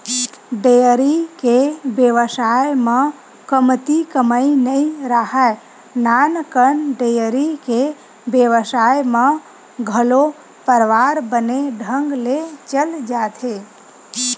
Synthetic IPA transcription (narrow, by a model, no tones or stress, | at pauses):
ɖejəɾikebjeʋəsajmã | kəmt̪ikəməinəiɾaɦae | nankənɖəjəɾike | bjəʋəsajmã | ɡʱəlo | pəɾʋaɾbəneɖʱə̃ŋɡlet͡ʃəld͡ʒat̪ʰe